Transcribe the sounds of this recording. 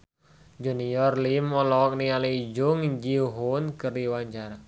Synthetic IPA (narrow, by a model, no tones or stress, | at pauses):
d͡ʒunijɔrlimɔlɔk̚nialid͡ʒuŋd͡ʒiɦunkərdiwaɲt͡ʃaɾa